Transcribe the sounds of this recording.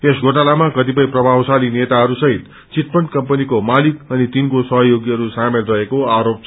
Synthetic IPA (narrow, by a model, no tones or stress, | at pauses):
esɡʱoʈalamakʌt̪ipʌĩprʌbʱawsalinet̪aɦʌɾusʌɦit̪ | t͡sit̪̚pʌɳɖkʌmpʌnikomalikʌnit̪inkosʌɦʌjoɡiʌɾusamelrʌekoaɾopt͡sʰ